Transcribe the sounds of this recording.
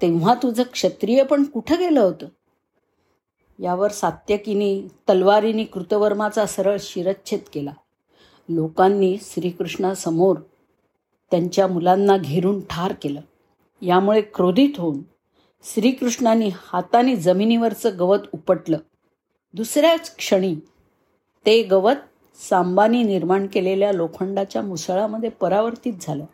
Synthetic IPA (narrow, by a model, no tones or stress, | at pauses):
t̪eʋ̤at̪ud͡zʱəkʂət̪ɾijəpəɳkuʈʰəɡeləɦot̪əː | jaʋəɾsat̪jəkiniːt̪əlʋaɾiniːkɾut̪əʋəɾmat͡sasəɾəɭɕiɾətːɕʰet̪kela | lokanːiːɕɾiːkɾuʂɳasəmoɾ | t̪jaɲt͡ɕjamulanːaɡʱeɾuːnʈʰaɾkeləː | jamuɭekɾod̪ʱiːt̪ɦouːn | ɕɾiːkɾuʂɳaniːhat̪aniːd͡zəminiʋəɾt͡səːɡəʋət̪upəʈləː | d̪usɾjat͡skʂəɽ̃iː | t̪eɡəʋət̪̚ | sambaniːniɾmaɳkeleljalokʰəɳɖat͡ɕjamusɭaməd̪ʱjepəɾaʋəɾt̪iːt̪̚d͡zʱaləː